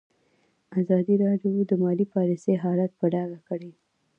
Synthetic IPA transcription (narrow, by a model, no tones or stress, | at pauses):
azɑd̪iɾɑɖjod̪əmɑlipɑlisejɦɑlat̪̚pəɖɑɡakəɽe